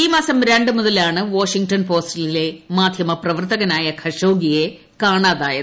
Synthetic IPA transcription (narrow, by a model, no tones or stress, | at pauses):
iːmaːsɐmɾe̞ɳɖɨmuðɐlaːɳɨʋoːʂiŋɡʈɐnpo̞ːstilile̞maːd̪ʱjɐmɐprɐʋɐrt̪ɐɣɐnaːjɐkʰɐʂoːɡije̞ | kaːɳaːðaːjɐ